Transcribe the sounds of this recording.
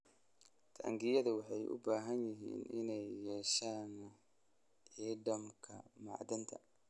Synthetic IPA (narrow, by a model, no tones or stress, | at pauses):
t̪ʰɐʔɐ̰ŋɡɪjɐðɐwɑħɑjʔʊ̰baːɦɐnjɪɦḭːnʔɪnɛjːɛːʃaːn | ʕiːɖɐmkʰɐ̰mɑ̰ʕd̪ɐnt̪ʰɐ